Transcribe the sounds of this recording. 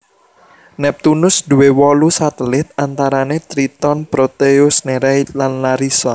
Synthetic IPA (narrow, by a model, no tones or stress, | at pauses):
nɛp̚t̪unʊsd̪̥uwewɔlusat̪əlɪt̪̚ant̪aɾanet̪ɾit̪ɔnpɾot̪eʊsneɾɛjlanlaɾisɔ